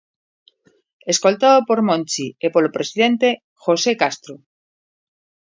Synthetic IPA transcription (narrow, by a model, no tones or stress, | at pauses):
eskolt̪aðopoɾmõnt͡ʃiepoɾlopɾesið̞ẽnt̪e | xosekast̪ɾo